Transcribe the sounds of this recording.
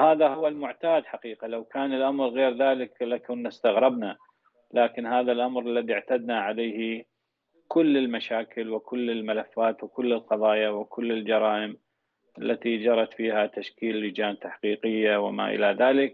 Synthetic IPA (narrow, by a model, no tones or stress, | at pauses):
haːðahʊwːalmʊʕt̪aːd̪ħaqiːqalawkaːnɪlʔamɾɣeːɾðaːlɪklakanːast̪aɣɾɪbna | laːkɪnhaːðalʔamɾalːaðiʕt̪ad̪naʕaleːhi | kʊlːɪlmaʃaːkɪlwɪkʊlːɪlmalafːaːt̪wɪkʊlːɪlqɑðˤɑːjawɪkʊlːɪld͡ʒɑɾˤɑːʔɪm | ʔalːat̪id͡ʒɑɾˤɑt̪fiːhat̪aʃkiːllːɪd͡ʒaːnt̪aħqiːqɪjːawɪ̰ma̰ʔɪ̰laðaːlɪk